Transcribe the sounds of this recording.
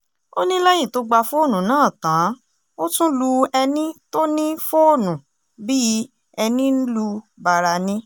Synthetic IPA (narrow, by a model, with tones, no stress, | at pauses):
o˦nĩ˦lɛ˦jĩ˦˨to˦ɡ͡ba˧fo˦o˦˨nũ˨˦nãː˨˦˨tãː˨˦ | o˦tũ˦lu˧ɛ˧nĩ˦to˦nĩ˦fo˦o˦˨nũ˨ | bi˦ | ɛ˧nĩ˦n̩˦lu˧ba˨ɾa˧nĩ˦